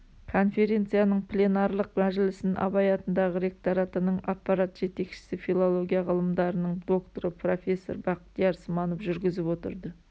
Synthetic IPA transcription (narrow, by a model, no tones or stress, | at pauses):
kʰo̞nfe̞ɾʲe̞nt̪sɨjanəɴpʰlʲe̞nɑrlˠəqmæʒɪlɪsɪnʔɑ̰bɑjɑt̪ənd̪ɑʁəɾe̞k̚t̪oɾat̪ənəɴɑpːɑɾat̪ʒ̥e̞t̪e̞kʃɪ̥sɪfilˠo̞lˠo̞ɡʲijaʁəlˠəmd̪ɑɾənəɴd̪o̞kt̪o̞ɾəpʰro̞fʲe̞sːo̞̰ɾbɑqə̥t̪̚jɑɾsəmɑnofʒʏɾɡʲɪzɪpwo̞t̪ə̰ɾd̪ə